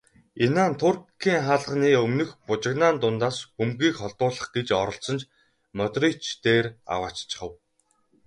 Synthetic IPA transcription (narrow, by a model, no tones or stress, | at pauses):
enaːnt̪ʰʊrkʰːiːŋχaːɮʁniːɵmnɵ̆xpʊt͡ɕɪ̆knaːnt̪ʊnt̪aːspɵmɡiːkχɔɮt̪ʊːɮə̆χɡet͡ɕɔɾɞ̆ɬt͡sɞ̆nt͡ɕ | mœt̪rit͡ɕt̪eːra̰waːt͡ɕt͡ɕʰə̥̆χə̆w